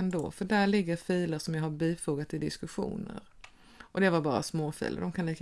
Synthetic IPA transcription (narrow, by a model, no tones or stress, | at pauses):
nd̪o̰ːfœɖæɭɪɡːəɾfiːləʂɔmjɑhaɾbiːfuːɡat̪ɪd̪ɪ̰skɵɧṵːnə̰ɾ | ʔɔd̪ɛvaɾbɑːɾa̰smoːfḭːlə̰d̪ɔmkʰaniːk